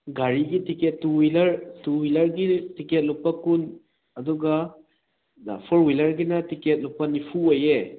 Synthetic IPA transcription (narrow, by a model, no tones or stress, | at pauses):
ɡaɾiɡitiket̚ːuwilɐɾtuwilɐɾɡitiket̚luk̚pɐkun | ɐduɡɐ | pʰɔɾwilɐɾɡinɐtiket̚luk̚pɐnipʰuoje